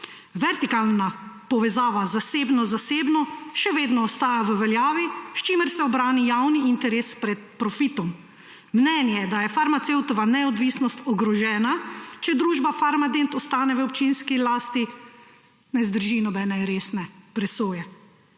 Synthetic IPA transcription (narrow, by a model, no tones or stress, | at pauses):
ʋɛɾt̪ikalnapɔʋɛzaːʋazaseːbnɔzaseːbnɔʃɛʋeːd̪nɔːst̪aːjaʋəʋɛljaːʋiʃt͡ʃiməɾsɛɔbɾaːnijaːwniint̪ɛɾeːspɾɛt̪̚pɾɔfit̪ɔmː | nɛːnjɛd̪ajɛfaɾmat̪sewt̪ɔʋanɛɔd̪ʋiːsnɔst̪ɔɡɾɔʒɛːnat͡ʃɛd̪ɾuːʒbafaɾmad̪ent̪ɔst̪aːnɛʋəɔpt͡ʃinskilaːst̪i | nɛzd̪əɾʒinɔbɛːnɛɾeːsnɛpɾɛsoːjɛ